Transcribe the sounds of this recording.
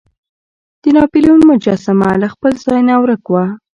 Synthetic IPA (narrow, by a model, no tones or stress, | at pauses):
d̪̥ənɑpiliunmʊd͡ʒasamalaxpəlzɑjnawɾəkwa